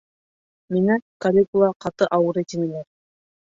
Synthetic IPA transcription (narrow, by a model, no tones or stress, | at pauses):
minækɐlʲikulˠɑqɑt̪ɤʔɑwɤɾet̪imilæɾ